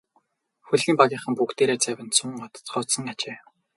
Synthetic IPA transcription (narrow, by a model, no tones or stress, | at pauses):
xuɮɣiːmpaɣʲiːɴχə̆mpukt̪eːɾeːt͡sʰæwʲɪ̆nt̪t͡sʰʊŋɔt̪ɞ̥̆t͡sχɔːsɞ̆ŋat͡ɕeː